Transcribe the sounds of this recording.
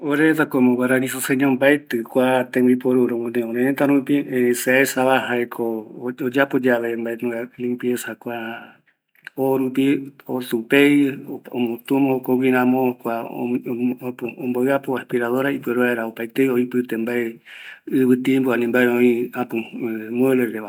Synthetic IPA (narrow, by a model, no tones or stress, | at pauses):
oɾeet̪akomõwaɾanĩsoseɲõmbaet̪ɨkʷat̪ẽmbipoɾuɾonẽoɾeẽt̪aɾupiseaesaβahaekʰood͡ʒapod͡ʒaʋembaenũalĩmpjesakʷa | oɾupiosupejo̰mõt̪umõkowiɾãmõkʷa̰ | poõmboɨapoaspiɾaðoɾaipeɾuaeɾaopajt̪ejoipɨt̪embaeɨβɨt̪iembuanĩmbaeõĩapumueleɾeʋa